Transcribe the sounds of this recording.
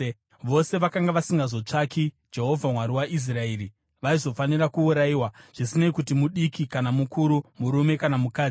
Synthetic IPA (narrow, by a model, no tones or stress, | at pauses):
ʋo̞se̞ʋakaŋɡaʋasiŋɡazo̞t͡ʂaki | d͡ʒe̞ɦo̞vʱamwaɾiwaʔis̬rae̞ːɾi | ʋaizo̞faniɾakuuɾaiwaʐ̥isinaikutimuɗikikanamukuɾumuɾume̞kanamukaːd͡zi